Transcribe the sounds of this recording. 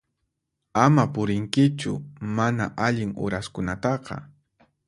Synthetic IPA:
amapʊɾɪŋkɪt͡ʃʊ̰manaʔaʎɪŋʊ̰ɾaskʊnat̪ɑqɑ̰

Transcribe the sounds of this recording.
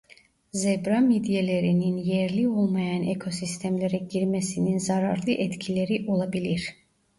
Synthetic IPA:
zebɾamid̪jelʲeɾininjɛɾlʲio̞lˠmajanekʰo̞sist̪ʰɛmlʲeɾɛɟiɾmesininzaɾaɾlˠɯʔɛt̪cʰilʲeɾiʔo̞lˠabilʲiɾ̥

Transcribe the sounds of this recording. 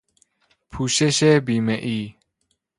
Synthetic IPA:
pʰuʃɛʃɛbimɛʔi

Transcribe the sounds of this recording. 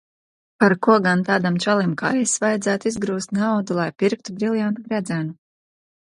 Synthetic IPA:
paɾkuɔɡant̪aːd̪amt͡ʃalˠimka̰jɛsvajad̪zæːt̪uizɡɾuːst̪ʲnawd̪ulˠajpiɾk̚t̪ubɾilˠjant̪ɡɾɛd̪zɛnu

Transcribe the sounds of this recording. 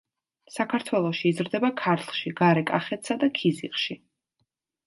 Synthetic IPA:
sakʰaɾt̪ʰwɛlˠɔʃiːzɾd̪ɛbakʰaɾt̪ʰχˠʃiɡaɾɛkʼaχɛt̪sad̪akʰiziχʃi

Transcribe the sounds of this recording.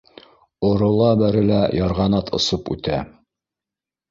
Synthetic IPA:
ŏɾŏlˠɑbæɾɘ̆læjɑɾʁɑnɑt̪ʰŏ̰sɤpʉ̰t̪æ

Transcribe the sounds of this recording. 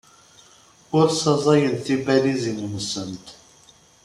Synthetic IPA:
ʊɾsɑzˤɑjənθibælizinəmsənt̪

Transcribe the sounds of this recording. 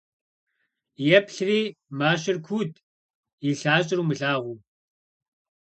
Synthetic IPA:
jɛpɬriːmaːʃ̬ɪrkʷʰuːdʰʼ | iɬaːɕʼɪɾuːmɨɬaːʁʷuː

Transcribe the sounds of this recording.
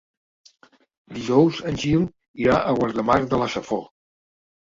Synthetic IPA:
d̪iʒɔwzənʲʒilˠ | iɾaʔəɣwaɾðəmaɾðələsəfɔ

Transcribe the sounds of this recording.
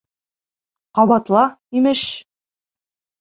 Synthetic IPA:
qɒβɑt̪lˠɑimɘʃ

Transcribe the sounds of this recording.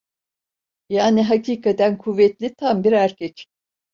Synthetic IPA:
jaːniɦacʰiːkʰat̪ænkʰuvɛt̪lʲit̪ʰambiɾæɾcʰɛc

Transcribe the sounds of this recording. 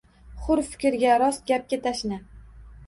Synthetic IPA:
χʊɾfɪ̥kʲɪɾɡʲaɾɒst̪̚ɡʲap̚ɡʲat̪ʰaʃnɪ

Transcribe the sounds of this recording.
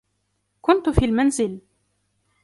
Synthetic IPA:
kʊnt̪ʊfiːlmanzɪl

